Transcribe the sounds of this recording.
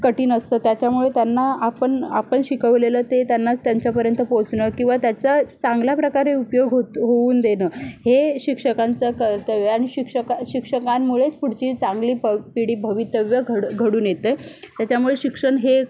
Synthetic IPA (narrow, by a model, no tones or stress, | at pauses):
kəʈiːnəst̪əːt̪jat͡ɕjamuɭet̪janːaapəɳapəɳɕikəʋlelət̪et̪janːat͡st̪jaɲt͡ɕjapəɾjənt̪əpot͡sɳəkĩw̃ʋat̪jat͡sət͡sãŋɡljapɾəkaɾeupjoɡɦoɦouːnd̪enəːheɕikʂəkant͡səkəɾt̪əʋjaɽ̃iɕikʂəkaɕikʂəkammuɭet͡spuɽ̤t͡ɕiːt͡saŋɡliːbəpiɽiːbʱəʋit̪əʋjəɡʱəɽɡʱəɽuːnjet̪əjt̪jat͡ɕjamuɭeɕikʂəɳɦe